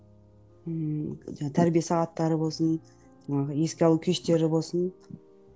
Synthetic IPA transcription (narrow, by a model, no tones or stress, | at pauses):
əʒɑt̪ʰæɾbijesɑʁɑt̪ːɑɾəbo̞lˠsən | ʒɑɴɑʁəje̞skʲeɑlˠukʲʰeʃt̪e̞ɾɪbo̞lˠsən